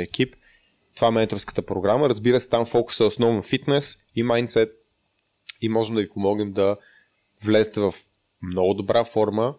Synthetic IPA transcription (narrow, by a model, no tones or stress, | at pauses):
ɛk̟ip | t̪ovaɛmɛnt̪ɾofskə̥t̪əpɾoɡɾaməɾəzbiɾəsɛ̥t̪amfɔkʊ̥sɛosnɔvɛnfit̪nɛs | imajnt̪sɛt̪̚ | imɔʒɛmd̪ɐvipomɔɡnɛmd̪ɐ | vlɛzɛt̪ɛvɐf | mnɔɡʊd̪obɾʔafɔɾmə